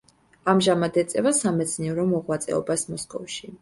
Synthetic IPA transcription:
amʒamad̪ɛt̪sʼɛvasamɛt̪sʰniɛɾɔmɔʁwat̪sʼɛ̰ɔ̰basmɔskʼɔfʃi

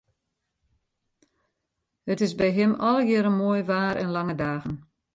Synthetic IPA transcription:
hətɪsbɛjɦɪmɔlˠəjɪɾənmojʋaːɾɛ̰nlaŋədaːɣən

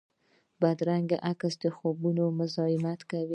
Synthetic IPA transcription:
bad̪ɾaŋɡaʔakasd̪əxobunomʊzɑɪmat̪kawi

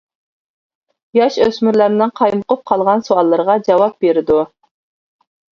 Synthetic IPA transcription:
jɑʃøsmyɾlæɾnɪŋqʰɑjmʊqʊp̚qʰɑlˠʁɑnsoɑlˠːəɾəʁɑd͡ʒɑwɑp̚beɾɪd̪u

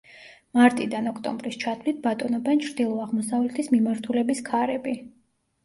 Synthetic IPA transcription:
maɾt̪ʼid̪anɔkʰt̪ʼɔ̰mbɾist͡ʃʰat̪ʰlit̪̚bat̪ʼɔnɔbɛnt͡ʃʰɾd̪ilˠɔaʁmɔsavlɛt̪ʰismimaɾt̪ʰulɛbiskʰaɾɛbi

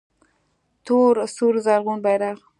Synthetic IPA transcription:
t̪oɾsuɾzaɾɣunbajɾaɣ

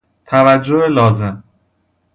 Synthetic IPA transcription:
t̪ʰævæd͡ʒːoelɒːze̞m

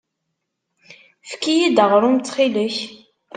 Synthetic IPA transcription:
fkːijid̪əʁɾˤumt͡s̪ːχiləç

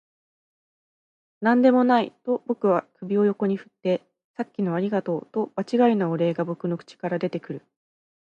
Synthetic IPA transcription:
nãnd̪e̞mo̞nait̪o̞bo̞kɯ̟βakɯ̟bʲio̞jo̞ko̞ɲ̟iɸɯ̟̥t̪ːe̞ | sakʲːino̞aɾʲiɡat̪o̞ːt̪o̞b̥at͡ɕiɡainaoɾe̞ːɡabo̞kɯ̟no̞kɯ̥t͡ɕi̥kaɾad̪e̞t̪e̞kɯ̟ɾɯ̟

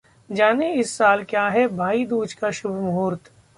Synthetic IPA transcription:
d͡ʒaːneɪsːaːlkjaːɦɛbʱaːid̪uːd͡ʒkaʃʊbʱmɦoːɾt̪

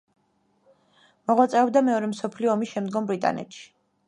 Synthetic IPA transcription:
mɔʁwat̪sʼɛɔbd̪amɛɔɾɛmsɔpʰliɔːmisʃɛmd̪ɡɔmbɾit̪ʼa̰nɛ̰t̪ʃi̥

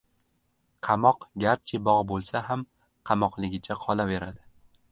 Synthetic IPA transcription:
qʰɑmɒqɡʲaɾt͡ʃʰɪbɒʁbolˠsaɦam | qʰɑmɒqlˠɪɡʲɪt͡ʃʰaqʰɒlave̞ɾad̪ɪ

